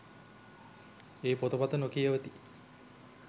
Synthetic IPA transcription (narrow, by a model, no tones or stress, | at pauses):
eːpot̪opat̪ənokijəʋət̪i